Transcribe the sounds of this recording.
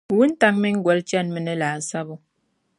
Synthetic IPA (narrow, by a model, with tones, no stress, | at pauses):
wu˦n̩˦ta˦ŋmi˦ŋ̩˦ɡwɛ˨˦lt͡ʃa˦˨nmə˦nə˦la˨sa˦bɔ˦